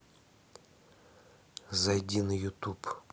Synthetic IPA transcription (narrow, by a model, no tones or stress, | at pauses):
zɐjdʲinɪjʊt̪up